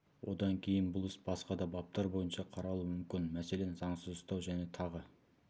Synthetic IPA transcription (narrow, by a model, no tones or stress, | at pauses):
wʔo̞d̪ɑŋkʲʰe̞jɪnbʊlˠɪsbɑsqɑd̪ɑbɑp̚t̪ɑɾbo̞jənʃɑqʰɑɾɑlˠuəmʏmkʲɪnmæse̞le̞nzɑɴsəzʊst̪ɑwʒæne̞t̪ʰɑʁə